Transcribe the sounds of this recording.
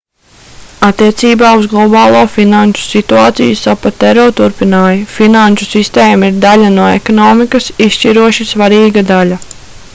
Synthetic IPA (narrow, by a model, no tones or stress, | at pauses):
at̪ːiɛt̪siːbaːuzɡlˠɔbɑːlˠoːfinant͡ʃu̥sit̪uaːt̪sijusapat̪ɛɾɔːt̪uɾpinaːjifinanʲt͡ʃusist̪eːmaiɾd̪aʎʲanuɔḛkɔnɔːmikɐsisʃt͡ʃiɾuɔʃisʋaɾiːɡad̪alʲa